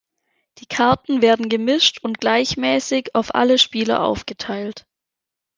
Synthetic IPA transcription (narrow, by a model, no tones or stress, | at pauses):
d̥iːkʰaɐtn̩veːɐdn̩ɡəmɪʃtʰʊntɡ̥laɪçmɛːsɪçaʊfʔa̰ləʃpiːlɐ̰ʔa̰ʊfɡ̥ətʰaɪlt